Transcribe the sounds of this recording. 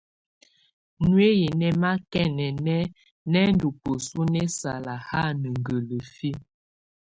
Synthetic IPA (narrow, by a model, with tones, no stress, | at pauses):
nwe˦ji˨nɛ˦ma˦kɛ˦nɛ˨nɛ˦ | nɛ˦n˦du˨pə˨su˦nɛ˦sa˨la˨ha˦˨nə˨ŋ˨ɡə˨lə˨fi˦